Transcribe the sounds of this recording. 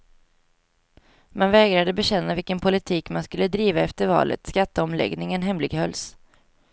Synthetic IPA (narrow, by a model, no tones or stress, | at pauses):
manvɛːɡɾad̪əbɛɕɛnːavɪlkənpʰʊlɪt̪ʰiːkmanskɵlːəd̪ɾiːvaɛft̪əɾvɑ̰ːlʔə̰t̪skat̪ːəɔmlɛ̰ɡnɪŋənɦɛmlɪɡhœls